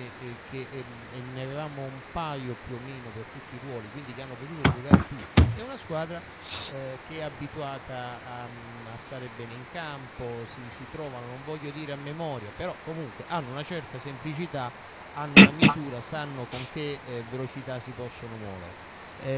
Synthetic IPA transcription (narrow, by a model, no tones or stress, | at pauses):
k̟eʔ | nːeavevaːmoumpajopːjuomːiːnopert̪ut̪ːirwɔːlikwind̪ikeanːopot̪uːt̪od͡ʒoɡaːɾet̪ut̪ːiɛunaskwaːd̪ɾa | k̟eɛabːit̪uaːt̪aː | ast̪aːɾebɛːneiŋkamposisit̪ɾɔːvanonoɱvɔʎːod̪iːɾeamːemɔːɾjapeɾɔkːomuŋkweʔanːounat͡ʃɛrt̪asemplit͡ʃit̪a | anːounamizuːɾasanːokoŋk̟evelot͡ʃit̪asːipɔsːonomwɔ̰ːvḛɾe